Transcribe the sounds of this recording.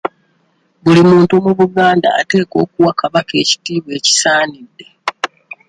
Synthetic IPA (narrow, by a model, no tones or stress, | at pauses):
βulimuːntumuβuɡaːnda̰ːte̞ːko̞ːkuwakaβake̞ːci̥tiːβwe̞ːci̥saːnidːe̞